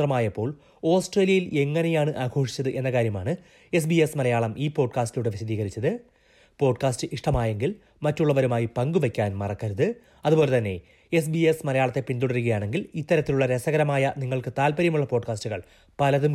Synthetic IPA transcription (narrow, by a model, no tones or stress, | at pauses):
rɐmaːjɐpːo̞ːɭ | o̞ːsʈreːlijɐjile̞ŋːɐnejaːɳɨʔaːɡʰʱo̞ːʂi̥t͡ɕːɐðɨʔe̞nːɐkaːɾjɐmaːɳɨ | e̞s̬biesmɐlɐjaːɭɐmʔiːpo̞ːɖkaːstijuːɽeʋiɕɐðiːɣɐɾit͡ɕːɐðɨ | po̞ːɖkaːstɨʔiʂʈɐmaːje̞ŋɡil | mɐtːuɭːɐʋɐɾumaːjipɐŋɡuʋekʲːaːnmɐrɐkːɐɾuðɨ | ɐðubo̞ːle̞t̪ɐnːe̞̰ | es̬biesmɐlɐjaːɭɐt̪ːepind̪uɽɐɾuɣɐjaːɳe̞ŋɡilit̪ːɐɾɐt̪ːiluɭːɐɾesɐɣɐɾɐmaːjɐniŋːɐɭkɨt̪aːlpɐɾjɐmuɭːɐpo̞ːɖkaːstuɣɐɭ | pɐlɐðum